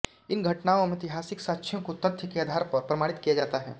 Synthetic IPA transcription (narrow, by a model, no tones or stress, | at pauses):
ɪnɡʱɐʈnaːõmẽɪt̪ɪɦaːsɪksaːtːʃʰjõkot̪ɐt̪ʰjəkeaːd̪ʱaːɾpɐɾpɾɐmaːɽɪt̪kijad͡ʒaːt̪aɦɛ̰ː